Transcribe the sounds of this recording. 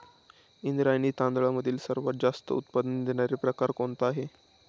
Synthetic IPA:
ind̪ɾajniːt̪ãnd̪ɭaməd̪ʱiːlsəɾʋat̪̚d͡zast̪ə̰ut̪̚pad̪ənd̪eɳaɾipɾəkaɾkoɳt̪əaɦe

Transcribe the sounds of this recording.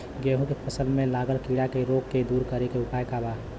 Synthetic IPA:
ɡeːɦũkepʰəsəlmẽlaːɡəlkiɽakeɾoːɡked̪uːɾkəɾekeʊpaːjkaba

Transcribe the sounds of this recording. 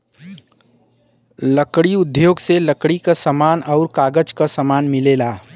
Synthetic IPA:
ləkɽiʊd̪ʱjoːɡseləkɽikasəmaːnɔʊɾkaːɡəd͡ʒkasəmaːnmɪleːlaː

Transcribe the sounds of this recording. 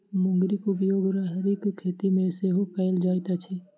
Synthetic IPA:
mʊ̃ŋɡɾɪkʊpjoːɡɾaɦɾikkʰːeːt̪imẽseɦopɛɪld͡ʒaːjt̪at͡ʃʰɛː

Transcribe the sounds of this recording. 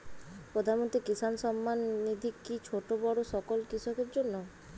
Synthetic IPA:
pɾod̪ʱanmont̪ɾikisanʃɔmːanːid̪ʱikːit͡ɕʰoʈobɔɽoʃɔkolkiʃokeɾd͡ʑonːo

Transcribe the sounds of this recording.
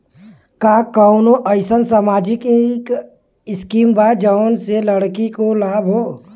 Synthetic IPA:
kaːkaʊnoʔəɪsənsaːmaːd͡ʒɪkk | ɪskiːmbaːd͡ʒənseləɽkikolaːbʱɦoː

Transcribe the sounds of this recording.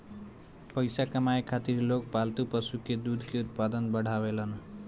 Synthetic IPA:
pʌjsakʌmajkʰat̪irlokpalt̪upʌsuked̪ud̪ʱkeut̪̚pad̪ʌnbʌɽ̤ʱawelʌn

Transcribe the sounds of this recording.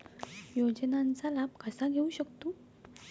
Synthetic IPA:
jod͡ʑnant͡salab̚kəsaɡʱeuɕəkt̪o

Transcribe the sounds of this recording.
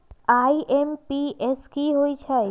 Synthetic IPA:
aiʔempieskiɦoit͡ʃʰa

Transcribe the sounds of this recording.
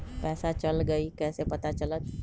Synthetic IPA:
pɛːsat͡ʃəlɡəikɛːsepət̪at͡ʃələt̪

